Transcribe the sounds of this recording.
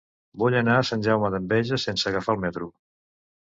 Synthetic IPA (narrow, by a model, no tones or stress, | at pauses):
buʎənaəsanʲʒawməðəmbɛʒəsensəːɣəfalˠmɛt̪ɾu